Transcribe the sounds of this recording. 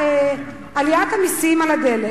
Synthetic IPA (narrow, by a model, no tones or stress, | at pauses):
e | alijat̪hamisimalad̪ele